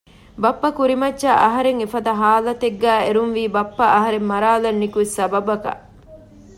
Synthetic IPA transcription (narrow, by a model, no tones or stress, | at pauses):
bɐpːɐkuɾimɐtːʃɐʔɐɦɐɾeŋefɐd̪ɐɦaːlɐt̪eɡːæːeɾunʋiːbɐpːɐʔɐɦɐɾemːɐɾaːlɐnːikusɐbɐbɐkɐ̰